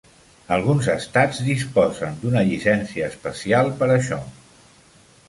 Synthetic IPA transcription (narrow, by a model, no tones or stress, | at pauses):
əlˠɣ̞unzəst̪ad͡zd̪ispɔzənd̪unəʎisɛnsiəːspəsialˠpəɾəʃɔ̰